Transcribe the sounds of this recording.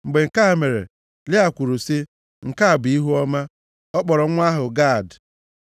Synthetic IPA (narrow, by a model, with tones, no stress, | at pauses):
ŋ͡m̩˨ɡ͡be˨ŋ̩˨ka˦˨me˨ɾḛ˨ | lɪ˦a˨kʷu˨ɾu˨si˦ | ŋ̩˨ka˦a˨bi˦ɦu˦ɔ˦ma˦ | ɔ˦k͡pɔ˨ɾɔ˨˦ŋʷ˦a˦ɦʊ˨ɡa˦˨d